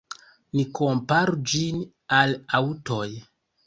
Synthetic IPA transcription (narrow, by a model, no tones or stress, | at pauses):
niko̞mpaɾud͡ʒin | alawuto̞j